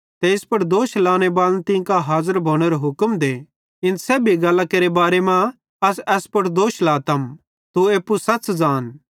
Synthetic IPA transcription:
t̪eɪspɐɽd̪oːʃlaːñebaːlnt̪ɪ̃kaɦaːzəɾbʱoːɽ̃eɾoɦʊkmd̪eː | ɪnsɛːbʱiɡɐlːakeːɾebaːɾemã | ɐsɛːspɐɽd̪oːʃlaːt̪ɐm | t̪ueːpːusɐtːt͡sd͡zaːn

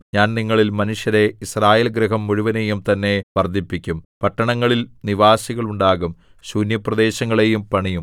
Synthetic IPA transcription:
ɲaːnniŋːɐɭilmɐnuʂjɐɾe̞israːjeːlɡɾɐɦɐmːuɻuʋɐne̞jumt̪ɐnːe̞ʋɐrd̪ʱipːikʲːumpɐʈːɐɳɐŋːɐɭilniʋaːsiɣɐɭuɳɖaːɣum | ɕuːnjɐprɐd̪e̞ːɕɐŋːɐɭe̞jumpɐɳijum

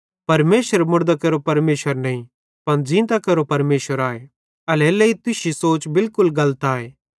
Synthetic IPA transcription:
pɐɾmeːsəɾmʊɽd̪akɐɾopɐɾmeːsəɾnɐĩ | pɐnd͡ʒĩːnt̪akɐɾopɐɾmeːsəɾaːe | ɐleːleit̪ʊsisoːt͡ʃbɪlkʊlɡɐlət̪aːeː

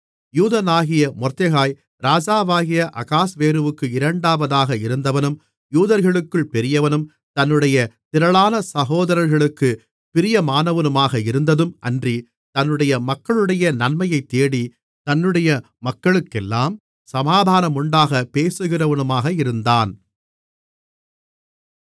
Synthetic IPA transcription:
juːðɐnaːɣɪjɐmɔɾt̪ɐɣaːj | ɾaːd͡ʒaːʋaːɣɪjɐʔɐkaːsʋeːɾɯʋɯkːɯɪɾɐɳɖaːʋɐðaːɣɐɪɾɯnd̪ɐʋɐnɯm | juːðɐɾɣɐɭɯkːɯɭpɛɾɪjɐʋɐnɯm | t̪ɐnːɯɽɐjɐt̪ɪɾɐɭaːnɐsɐɣoːðɐɾɐɾɣɐɭɯkːɯ | pɪɾɪjɐmaːnɐʋɐnɯmaːɣɐɪɾɯnd̪ɐðɯmʔɐndri | t̪ɐnːɯɽɐjɐmɐkːɐɭɯɽɐjɐnɐɳmɐjɐɪt̪ːeːɽi | t̪ɐnːɯɽɐjɐ | mɐkːɐɭɯkːɛlːaːm | sɐmaːd̪ʱaːnɐmʊɳɖaːɣɐpeːsɯɣɪrɐʋɐnɯmaːɣɐɪɾɯnd̪aːn

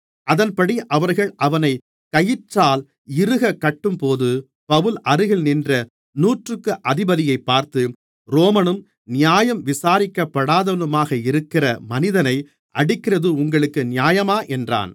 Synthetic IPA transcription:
ʔɐðɐnpɐɽiʔɐʋɐɾɣɐɭʔɐʋɐnɐɪ | kɐjɪʈraːl | ɪɾɯɣɐkːɐʈːɯmpoːðɯ | pɐʋɯlʔɐɾɯɣɪɭnɪndrɐ | nuːʈrɯkːɯʔɐðɪbɐðɪjɐɪpːaːɾt̪ɯ | ɾoːmɐnɯm | nɪjaːjɐmʋɪsaːɾɪkːɐpːɐɽaːðɐʋɐnɯmaːɣɐɪɾɯkːɪrɐmɐnɪðɐnɐɪ | ʔɐɽɪkːɪrɐðɯʊŋɡɐɭɯkːɯnɪjaːjɐmaːʔɛndra̰ːn

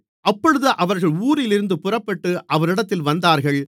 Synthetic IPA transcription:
ʔɐpːɔɻɯðɯʔɐʋɐɾɣɐɭuːɾɪlɪɾɯnd̪ɯpʊrɐpːɐʈːɯʔɐʋɐɾɪɽɐt̪ːɪlʋɐnd̪aːɾɣɐɭ

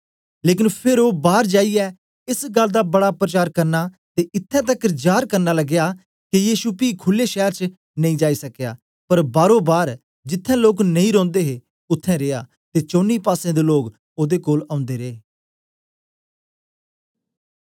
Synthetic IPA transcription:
leːk̬ɪnpʰɪɾoːbaːɾd͡ʒaːiɛː | ɪsɡəld̪aːbəɽaːpɾət͡ʃaːɾkəɾnaː | t̪eːʔɪt̪ʰːɛ̃ːt̪̬əkd͡ʒaːɾkəɾnaːləɡjaː | kijiːʃuːpiːkʰʊlːeːʃɛːɾt͡ʃ | nə̃ĩːd͡ʒaːiːsəkja̰ː | pəɾbaːɾõːbaːɾ | d͡ʒɪt̪ʰːɛ̃ːloːknə̃ĩɾɔ̃ːnd̪eːɦeː | ʊt̪ʰːɛ̃ːɾeːja̰ː | t̪eːt͡ʃoːniːpaːsẽːd̪eːloːɡ | oːd̪eːkoːlãːʊ̃nd̪eːɾeː

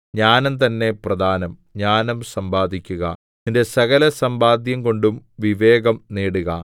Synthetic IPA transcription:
ɲaːnɐmt̪ɐnːe̞prɐd̪ʱaːnɐmɲaːnɐmsɐmbaːd̪ʱikʲːuɣɐ̰ | ninde̞sɐɣɐlɐsɐmbaːd̪ʱjɐmko̞ɳɖumʋiʋe̞ːɡɐmneːɽuɣɐ̰

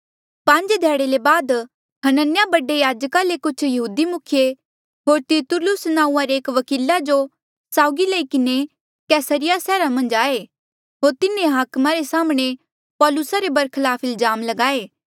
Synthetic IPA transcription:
pãɲd͡ʒd̪ʱeːɽelebaːd̪ | ɦɐnənɪjabɐɖejaːd͡ʒkalekʊt͡ʃʰjɐɦuːd̪imʊkʰje | ɦoːɾt̪ɪɾt̪ʊlʊsnãːũːãɾeeːkʋɐkiːlad͡ʒo | saːʊɡilɐikɪne | kɛːsəɾɪjasɛːɾamɐ̃nd͡ʒaːe | ɦoːɾt̪ɪnẽɦaːkmaɾesaːmɽ̃e | pɔːlʊsaɾebɐɾkʰlaːpʰɪlzaːmlɐɡaːeː

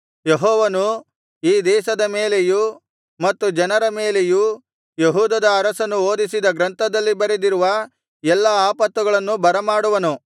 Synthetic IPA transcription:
jeɦɔːʋɐnu | iːd̪ɛːʃɐd̪ɐmeːleju | mɐt̪ːud͡ʒɐnɐɾɐmeːleju | jeɦuːd̪ɐd̪ɐːɾɐsɐnːuoːd̪isid̪ɐɡɾɐnt̪ʰɐd̪ɐlːibɐɾed̪iɾuʋɐ | ɛlːɐaːpɐt̪ːuɡɐɭɐnːubɐɾɐmaːɽuʋɐnu

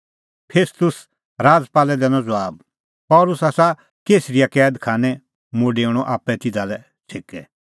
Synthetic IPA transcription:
pʰeːst̪ʊs | ɾaːd͡zpaːlɛd̪ɛːnɔ̃d͡zɔʋaːb̚ | pɔːlʊsasa | keːsɾijakɛːd̪kʰaːnɛ̃ | moɖeʊɽ̃ɔʔaːpɛt̪ɪd̪alɛ | sʰeːkɛ

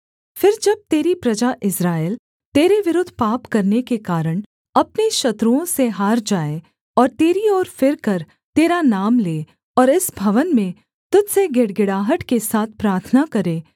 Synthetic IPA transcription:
fɪɾd͡ʒɐb̚t̪eːɾipɾɐd͡ʒaʔɪsɾaːjl | t̪eːɾeʋɪɾʊd̪ʱːpaːpkɐɾnekekaːɾəɽ̃ | ɐpneʃɐt̪ɾuõseɦaːɾd͡ʒaːe | ɔːɾt̪eːɾiɔːɾfɪɾkɐɾ | t̪eːɾanaːmleː | ɔːɾɪsbʱɐʋənmẽ | t̪ʊd͡ʒseɡeɽɡɪɽaːɦəʈkesaːt̪ʰpɾaːɾt̪ʰnakɐɾeː

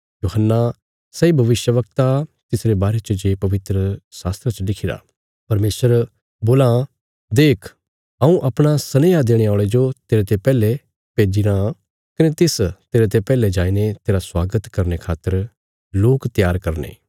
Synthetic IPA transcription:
joːɦənːa | sɛibʱɐʋɪʃjəʋəkt̪at̪ɪsɾebaːɾet͡ʃəd͡ʒeːpɐʋɪt̪ɾəsaːst̪ɾat͡ʃəlɪkʰiɾa̰ | pɐɾmeːsəɾ | boːlã | d̪eːkʰ | ɐũʔɐpɽ̃asɐneːad̪eːɽ̃eaːɭed͡ʒot̪eːɾet̪epɛːle | peːd͡ʒiɾã | kɐnet̪ɪst̪eːɾet̪epɛːled͡ʒaːinet̪eːɾaswaːɡət̪kɐɾnekʰaːt̪ːəɾ | loːkt̪jaːɾkɐɾnḛː

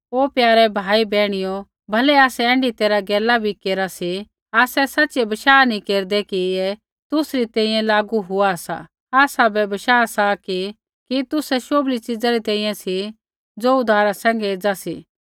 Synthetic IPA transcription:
oːpjaːɾɛbʱaːibɛːɽ̃ɪjo | bʱɐlɛaːsɛɛ̃ːɳɖit̪eːɾaɡɛːlabʱikeːɾasi | aːsɛsɐtːʃɛbɐʃaːnĩkeːɾd̪ɛkiɛ | t̪ʊsɾit̪ɛ̃ːĩːjɛ̃laːɡuɦʊasa̰ | aːsabɛbɐʃaːsaki | kit̪ʊsɛʃoːblit͡sɪd͡zaɾit̪ɛ̃ːĩːɛ̃si | d͡zoːʊd̪ʱaːɾasɛ̃ːŋ̆ɡɛeːd͡zasḭː

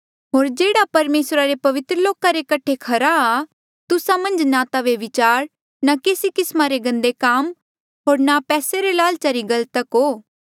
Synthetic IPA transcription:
ɦoːɾd͡ʒeːɽapɐɾmeːsɾaɾepɐʋɪt̪ɾəloːkãɾekɐʈʰekʰɐɾaː | t̪ʊsamɐ̃nd͡ʒnat̪aʋeʋɪt͡ʃaːɾ | nakeːsikɪsmaɾeɡɐ̃nd̪ekaːm | ɦoːɾnapɛːseɾelaːlt͡ʃɐɾiɡɐlt̪əkɦoː

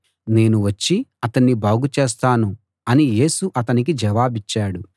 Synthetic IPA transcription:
ne̞ːnuʋɐt͡ʃːiɐt̪ɐɳːibaːɡut͡ʃe̞ːs̬t̪aːnu | ɐnije̞ːsuʔɐt̪ɐnik̬id͡ʒɐʋaːbit͡ʃːaːɽu

